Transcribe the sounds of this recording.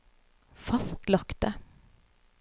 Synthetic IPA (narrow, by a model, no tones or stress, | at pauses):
fɑst̪lɑkt̪ə